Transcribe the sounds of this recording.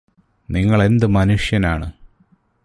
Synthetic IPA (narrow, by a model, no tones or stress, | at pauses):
niŋːɐɭe̞nd̪ɨmɐnuʂjɐnaːɳɨ